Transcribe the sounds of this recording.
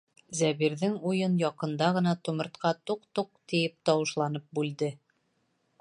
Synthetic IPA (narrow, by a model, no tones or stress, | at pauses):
zæβiɾðɘŋujɤnjɒqɤ̆nd̪ɑʁɤ̆nɑt̪ŭmɤ̆ɾt̪qɑt̪uqt̪uq̚t̪ĭjɘp̚t̪ɒwɤ̆ʃlˠɑnɤp̚bʉld̪ɘ